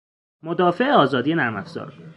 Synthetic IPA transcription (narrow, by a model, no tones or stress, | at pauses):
mod̪ɒːfe̞ʔeɒːzɒːd̪ije̞næɾmæfz̥ɒ̰ːɾ